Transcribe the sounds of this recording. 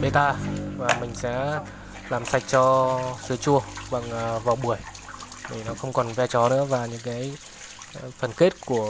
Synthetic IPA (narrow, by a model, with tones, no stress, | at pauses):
ɓe˧t̪aː˧vaː˨˩mï˨˩ŋ̟sɛ̰˧˥ | laː˨˩msa˨˩jk̟̚t͡ɕɔ˧sɨ˨˦ət͡ɕu˧əɓa̰˨˩ŋʔːvaː˨˩ɓu˧˩əj | ɗi˧˨˩nɔ˨˦xə˧wŋ͡mkɔ˨˩nvɛ˧t͡ɕɔ˨˦nɨ̰˧˥əvaː˨˩ɲɨ̰˧˥ŋkaː˨˦j | fə˨˩nke˦˥t̚ku˧˩ə